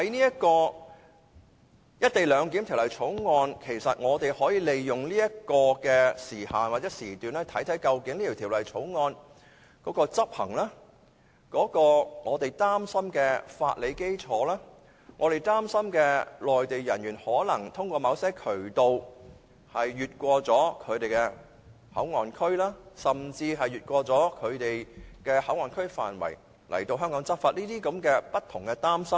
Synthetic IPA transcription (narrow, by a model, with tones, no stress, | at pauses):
hɐ˨˥jniː˥ɐ˥kɔː˧ | jɐ˥t̚t̪e˨jlœː˨˧ŋki˨˥mt̪ʰi˨˩wlɐ˨jt͡sʰo˨˥wŋɔː˧nkʰe˨˩jsɐ˨t̚ŋɔː˨˧t̪e˨jhɔː˨˥jiː˨˧le˨jjʊ˨ŋliː˥jɐ˥kɔː˧kɛː˧siː˨˩haː˨nwaː˨t̚t͡sɛː˨˦˥siː˨˩t̪yː˨˩nɛː˥t̪ʰɐ˨˥jt̪ʰɐ˨˥jkɐ˧wkɪ˨˥ŋliː˥t̪ʰːt̪ʰiː˨˩wlɐ˨˩jt͡sʰo˨˥wŋɔː˧n | kɔː˨˥kɔː˧t͡sɐ˥p̚hɐ̰˨˩ŋlɛː˥ | kɔː˨˥kɔː˧ŋɔː˨˧t̪e˨˩jt̪aː˥msɐ˥mkɛː˧fa̰ː˧t̚le˨˧jke˥jt͡sʰɔː˨˥lɛː˥ | ŋʔɔː˨˧ɾe˨˩jt̪aː˥msɐ˥mkɛː˧lɔː˨jt̪e˨jjɐ˨˩nɥyː˨˩nhɔː˨˥lɐ˨˩ŋt̪ʰʊ˥ŋkʷɔː˧mɐ˨˧wsɛː˥kʰɵ˨˩ɥt̪o˨w | hɐ˨jɥyː˨t̚kʷɔː˧t͡sɔː˨˥kʰɵ˨˧ɥt̪e˨˩jkɛː˧ | hɐ̰˨˥wŋɔː˨nkʰɵ˥ɥlaː˥sɐ˨˩mt͡siː˧ɦɐ˨jːyː˨t̚kʷɔː˧t͡sɔː˨˥kʰɵ˨˧ɥt̪e˨jkɛː˧hɐ˨˥wŋɔː˨nkʰɵ˥ɥfa̰ː˨nwɐ̰˨˩j | lʔɐ̰˨˩jt̪o˧wɦœː˥ŋkɔː˨˥ŋt͡sɐ˥p̚faː˧t̚liː˥t̪iː˥kɐ˨˥mkɛː˧pɐ˥t̚t̪ʰːʊ˨˩ŋkɛ˧t̪aː˥msɐ˥m